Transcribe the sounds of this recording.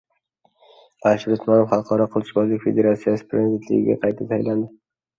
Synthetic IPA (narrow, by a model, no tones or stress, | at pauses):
aʃɾʊsmɒnofχɑlˠqʰɒɾɒqʰʊlˠʰbɒzlɪkʲfe̞d̪e̞ɾat̪sijasɪ̥pʰɾezid̪et̪lɪ̰ɡʲɪ̰ɡʲa̰qʰɑjt̪ʰasʰajland̪ɪ